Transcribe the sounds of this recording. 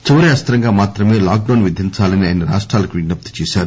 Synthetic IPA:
t͡ʃiʋɐɾeɐst̪ɐɾɐŋɡaːmaːt̪ɾɐme̞ːlaːk̚ɖɐwnʋid̪ʱint͡ʃaːlɐniaːjɐnɐɾa̰ːʂʈɾaːlɐkʋinɖɐp̚t̪u̥t͡ʃeːsaːɾu

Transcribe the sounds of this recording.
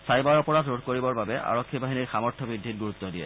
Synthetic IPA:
sajbaɹɔpɔɹatɹodʱkoɹibɔɹbabɛʔa̰ɹɔkʰːibaɦiniɹxamɔɹtʰːɔbɹid̪ʱːit̚ɡuɹut̪ːɔdijɛ̰

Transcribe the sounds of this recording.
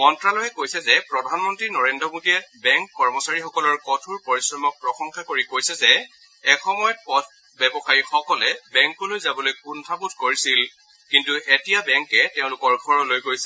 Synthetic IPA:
mɔntɹalɔɦɛkojsɛzɛpɹɔdʱanmɔntɹinɔɹendɹɔmodiɛbɛŋkːɔɹmɔsaɹixɔkɔlɔɹkɔtʰuɹpoɹisɹɔmɔk̚pɹɔxɔŋxʰakoɹikojsɛzɛː | kxɔmɔjɔt̚pɔt̚ | bɛbɔxaɹixɔkɔlɛbɛŋkɔlojzabɔlojkuntʰabutʰkoɹisil | kintuʔetijabɛŋkɛteʊ̃lʊkɔɹkʰɔɹɔlojɡojsi

